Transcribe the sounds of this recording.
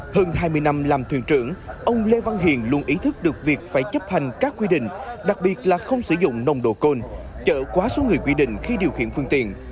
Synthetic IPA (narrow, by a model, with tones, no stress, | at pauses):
həː˧nɦaː˧jmɨ˧əjna˧mlaː˨˩mt̪ʰwḭ˧˩ənt͡ɕɨ˧˩əŋʔə˧wŋ͡mle˧va˧ŋɦḭ˨ənlu˧ənʔi˨˦t̪ʰɨ˦˥k̚ɗɨ˨˩ək̚vi˨˩ək̚faː˧˩jt͡ɕə˦˥p̚ha˨˩jŋ̟kaː˦˥kːwi˧ɗḭ̈˧˨ŋ̟ɗa˨˩k̚ɓi˨˩ət̚laː˨˩xə˧wŋ͡msɨ̰˧˩zʊ̰˧˨ŋ͡mnə˧wŋ͡mɗo̰˧˨ko˧n | t͡ɕə̰ː˧˨kwaː˨˦so˨˦ŋɨ˨˩əjkwi˧ɗḭ̈˧˨ŋ̟xi˧ɗi˨˩əwxḭ˧˩ənfɨ˧əŋt̪ḭ˧˨ən